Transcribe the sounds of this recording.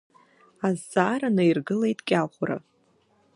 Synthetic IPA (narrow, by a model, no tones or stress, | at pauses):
azːaːɾanɨirɡɨle̞jtʼkʲʼaχʷʊra̰